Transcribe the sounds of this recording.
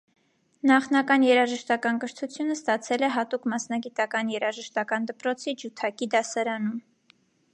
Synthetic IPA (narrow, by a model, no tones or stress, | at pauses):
nɑχnɑkɑnjɛɾɑʒəʃt̪ɑkɑnkəɾt̪ʰut͡sʰjunəst̪ɑt͡sʰɛlɛɦɑt̪ukmɑsnɑɡit̪ɑkɑnjɛɾɑʒəʃt̪ɑkɑnd̪əpɾɔt͡sʰid͡ʒut̪ʰɑkid̪ɑsɑɾɑnum